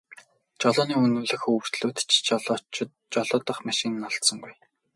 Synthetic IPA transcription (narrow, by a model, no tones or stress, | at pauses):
t͡ɕɔɮʊːniːunŭːɮɘ̆xɵr̥t̪ɮuːt̪t͡ɕt͡ɕ | t͡ɕɔɮʊːt̪ɞ̆χmaʃɪ̆n̆nːɔɮt̪sɞ̆ŋɡuj